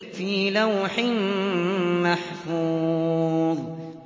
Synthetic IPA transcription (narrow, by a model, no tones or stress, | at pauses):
fiːlawħɪm | maħfuː | ðˤ